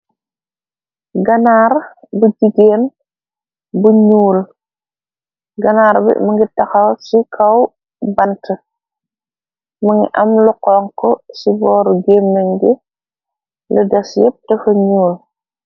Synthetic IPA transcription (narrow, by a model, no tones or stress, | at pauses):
ɡɐnaɾ | buɟiɡeːn | buɲuːl | ɡɐnaːɾbḭmɐŋɡitɐxɐwsikʰaw | bɐntə | mɐŋɡḭʔɐmluqɔːŋkɔsibɔːɾɡeːmːeŋɡɛ | lədɐsjɛp̚tɐfɐɲuːl